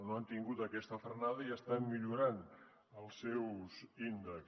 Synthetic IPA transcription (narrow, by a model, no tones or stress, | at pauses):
noant̪iŋɡut̪əkɛst̪əfəɾnaðəiəst̪amːiʎuɾan | əlˠsɛwzind̪ək